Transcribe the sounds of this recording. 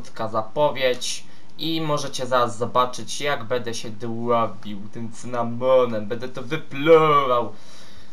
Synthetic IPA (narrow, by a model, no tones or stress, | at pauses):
t̪kazapɔvʲjet͡ɕ | imɔʐɛt͡ɕɛzaɾazːɔbat͡ʂɘt͡ɕjaɡbɛnd̪ɛɕɛd̪wwɔbʲiwt̪ɘmt̪sɘnamɔnɛmbɛnd̪ɛt̪ɔvɘplɔvaw